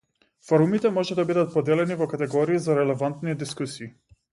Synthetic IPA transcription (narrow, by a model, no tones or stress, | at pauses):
fɔɾumit̪ɛmɔʒɛd̪abid̪at̪̚pɔd̪ɛlɛnivɔkat̪ɛɡɔɾiːzaɾɛlɛvant̪nid̪iskusiː